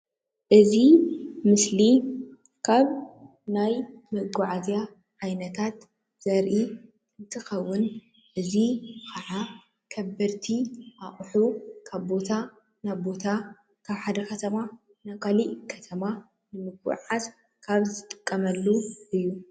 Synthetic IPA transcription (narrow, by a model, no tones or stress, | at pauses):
ʔɨzimɨsli | kʰaβ | najmɨɡʊʕazja | ʕajnɐt̪ʰat̪ | z̥ɐɾʔi | ɨnt̪ʰɨxɐwːʊn | ʔɨzikʰɐʕa | kʰɐbɐɾt̪ʰiʔaχʼħukʰaβbo̞t̪ʰa | naβbo̞t̪ʰa | kʰaβħad̪ɐkʰɐt̪ʰɐma | nakʰaliʔkʰɐt̪ʰɐma | nɨmɨɡṵʕas | kʰaβzɨt̪ʼɨkʼːɐmɐlːuʔɨjːu